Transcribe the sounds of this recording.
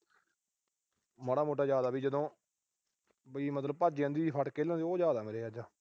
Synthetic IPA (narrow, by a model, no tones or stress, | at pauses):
məɽaːmoːʈ̬aːd͡ʒjaːd̪aːbiːd͡ʒəd̪õː | bəiːmət̪ləb̚paːd͡ʒeːə̃nd̪iːiːpʰəʈkeːlãneːoːd͡ʒjaːd̪aːmeːɾeːaːd͡ʒaː